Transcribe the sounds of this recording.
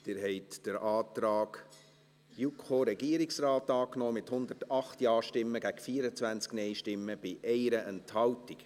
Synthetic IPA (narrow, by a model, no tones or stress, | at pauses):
d̥ɪːɾɦɛɪtd̥əɾɑːt̪ɾɑːɡ̥ | jukχoɾɛɡ̥iəɾiksrɑːtɑːknoːmɪthʊnd̪ərtɑχtjɑːʃtɪmːəɡæɡ̥fiːəɾət͡sʋænt͡sknɛɪʃtɪmːəb̥ɪʔɛɪɾəʔɛnthɑwtik